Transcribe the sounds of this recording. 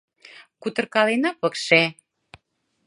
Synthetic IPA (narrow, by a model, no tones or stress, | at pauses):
kut̪ə̆rkɑlenɑpɤ̆kʃe